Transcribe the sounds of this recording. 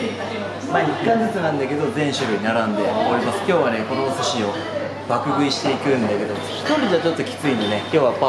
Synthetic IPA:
maːikːãnd͡zɨt͡sɨnãnd̪ake̞d̪o̞zẽ̞ɰ̃ɕoɾɯ̟ɲinaɾãnd̪e̞akoɾʲimasɨ̥kʲo̞ːβane̞ko̞nosɨɕio̞ | b̥akɯ̟ɡɯ̟iɕi̥t̪e̞ikɯ̟̃nd̪ake̞d̪o̞̥ | kːoɾʲid͡ʑat͡ɕo̞t̪ːo̞kʲi̥t͡sɨĩnone̞kʲo̞ːβapa

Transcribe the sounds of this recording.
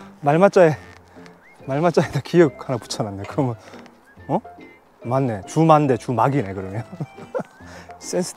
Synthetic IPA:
maɭmat͡ɕ͈ae | maɭmat͡ɕ͈aedakijʌk̚hanapu̥t͡ɕʰʌnanːekɯɾʌmʌn | ʌ | manːe̞t͡ɕumande̞t͡ɕumaɡine̞kɯɾʌɲo | s͈ensʰɯ̥

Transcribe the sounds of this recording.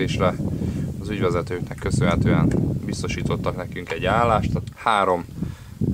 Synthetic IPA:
eːʃrɛɒzyɟʋɛzɛt̪øːknɛkːø̞sønɦɛt̪øːɛnbist̪o̞ʃiːt̪o̞t̪ːɒknɛkyŋkɛɟːaːlːaːʃt̪ɒhaːɾo̞m

